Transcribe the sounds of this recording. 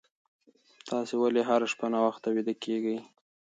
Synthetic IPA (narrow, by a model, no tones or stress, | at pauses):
t̪ʰɑsewaleɦaɾaʃpanawaxt̪ːawid̪akeɡəj